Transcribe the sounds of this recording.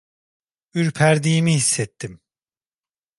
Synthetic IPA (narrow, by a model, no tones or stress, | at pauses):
yɾpʰæɾd̪iːmihisːɛt̪ʰːim